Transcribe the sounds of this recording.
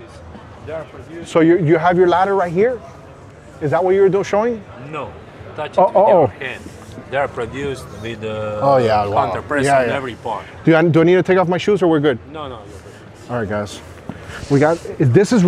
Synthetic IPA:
soʊjəjɨəvjə˞læɾə˞ɹaɪt̚ɦiɹ | ɨzðət̚weɪjə˞dõʃoʊɪ̃ŋ | noʊ | tʌt͡ʃoʔookɛ̃n | deə˞pʰɹɔdjustwɪðəojjæwɔ̃nəpɹɛjæjæɛvɹipʰɔ̰ | d̥ɨaɪdɨaɪnid̚tʰɨtʰeɪkɔfmaɪʃuzə˞wɪɹɡʊd̥̚noʊno | ɑlɹaɪɡ̥aɪs | wiɡɑtðɪsɨz

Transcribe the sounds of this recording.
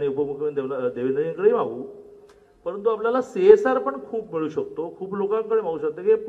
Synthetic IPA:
ɽ̃iupəɡmukʰnd̪elad̪eʋend̪ɾd͡ʑinkəɽeːmaʋuː | pəɾənt̪uapljalaseesaɾpəɳkʰuːp̚miɭuːɕəkt̪okʰuːplokãŋkəɽemaɽuːɕək̚t̪ekip

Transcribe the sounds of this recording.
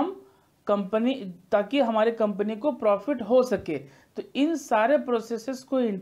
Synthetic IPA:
ɐm | kɐ̃mpənit̪aːkiɦɐmaːɾikɐ̃mpənikopɾɔːfɪʈɦosɐkeː | t̪oɪnsaːɾepɾoːseːsɪskoɪ̃ɳʈ

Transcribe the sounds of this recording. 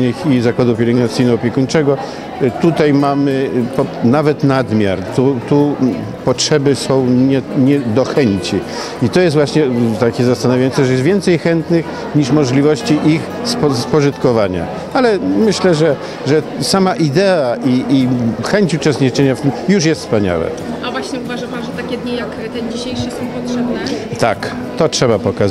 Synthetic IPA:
nɨxizakwad̪up̬ʲjɛɾɛɡnat̪sɘjnɔɔpʲjɛkuɲt͡ʂɛɡɔ | t̪ut̪ajmamɘpɔnavɛt̪nad̪mʲja̰ɾt̪ut̪u | pɔtʂɛbɘsɔ̃w̃ɲɛɲɛd̪ɔxɛɲt͡ɕi | it̪ɔjɛst̪vwaɕɲɛt̪akʲɛzast̪anavʲjajɔnsɛʐɛjɛst̪vʲjɛnt̪sɛjxɛnt̪nɘx | ɲiʂmɔʐlʲivɔɕt͡ɕiʔix | sspɔʐɨt̪kɔvaɲa̰ | alɛmɘɕlɛʐɛ | ʐɛ | samaʔid̪ɛaʔiixɛɲt͡ɕut͡ʂɛst̪ɲit͡ʂɛɲaft̪mjuʂjɛst̪spaɲa̰wɛ̰ | avwaɕɲɛuvaʐampanʐɛt̪akʲɛd̪ɲʲijak | t̪ɛnd͡ʑiɕejʂɘsɔ̃w̃pɔtʂɛbnɛt̪a̰k | t̪ɔtʂɛbapɔkaz

